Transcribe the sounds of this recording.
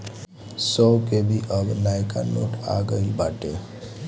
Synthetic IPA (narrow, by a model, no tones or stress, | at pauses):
sɔkebʱiʔəbnaːjka̰no̰ːʈa̰ɡəibaːʈe